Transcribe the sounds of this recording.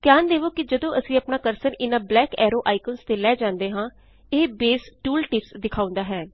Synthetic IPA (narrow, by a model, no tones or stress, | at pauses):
kjaːnd̪eːʋoːkɪd͡ʒəd̪õːʔəsĩːəpnaːkəɾsəɾɪnãːblɛːkɛːɾoːʔaːikənst̪eːlɛːd͡ʒãːnd̪eːɦãː | eːbeːsʈuːlʈɪpsd̪ɪkʰaːʊ̃nd̪aːɦɛː